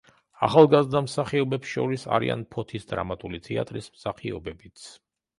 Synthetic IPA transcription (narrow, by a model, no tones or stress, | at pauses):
a̰χalˠɡazd̪amsaχiɔbɛpsʃɔ̰ɾisa̰ɾḭʔa̰npʰɔt̪ʰisd̪ɾamat̪ʼulit̪ʰɛa̰t̪ʼɾismsaχiɔ̰bɛbit̪sʰ